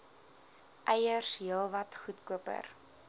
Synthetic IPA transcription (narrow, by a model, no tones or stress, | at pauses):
ʔɛjərsɦiəlˠvɐtχutkuəpə̰r